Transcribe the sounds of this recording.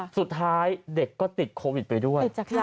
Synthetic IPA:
su˨˩t̪ʰːaː˦˥jde˨˩kːɔː˥˩t̪i˨˩t̪̚kʰoː˧wi˨˩t̪̚pa˧jdu˥˩əj

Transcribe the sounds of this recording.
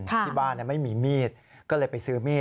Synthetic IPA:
kʰa˥˩i˧˩baː˥˩nːi˥˩ma˥˩jmiː˧miː˥˩t̪̚ | kɔː˥˩lɤː˧jpa˧jsɯː˦˥miː˥˩

